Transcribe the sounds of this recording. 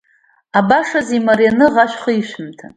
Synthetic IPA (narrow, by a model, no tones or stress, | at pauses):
abaʂazimarjanɨʁaʃʷᶣχiʃʷᶣɨmtʰa